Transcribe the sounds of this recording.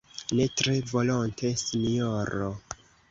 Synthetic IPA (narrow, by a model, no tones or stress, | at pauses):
ne̞tɾe̞vo̞lontʰe̞sinioɾo